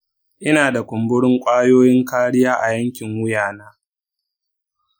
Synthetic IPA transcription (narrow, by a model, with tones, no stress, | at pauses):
ʔɪ˦naː˨da˨kʷʊ˨mbʊ˦ɽɪ˦ŋkʷʼaː˦joː˦jɪ˦ŋkaː˦ɽɪ˦jaː˦ʔa˨jɐ˦ŋkʲɪ˨ŋwʊ˦jaː˨naː˦